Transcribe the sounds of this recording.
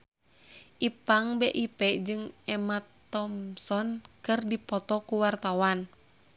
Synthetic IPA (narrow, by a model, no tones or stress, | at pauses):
ʔipaŋbɛʔipɛʔd͡ʒɨŋɛmat̪ːɔmsɔnkɨrdipɔt̪ɔkuwart̪awan